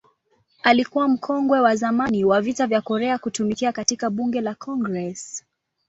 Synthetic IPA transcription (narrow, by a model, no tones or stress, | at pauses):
alikuwam̩kʰɔŋɡwɛwazamaniwavitavjakɔɾɛakutumikiakatikaɓuŋɡɛlakʰɔŋɡɾɛs